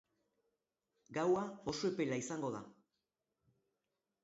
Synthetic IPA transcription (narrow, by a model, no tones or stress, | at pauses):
ɡawao̞soe̞pe̞laisaŋɡo̞ð̞a̰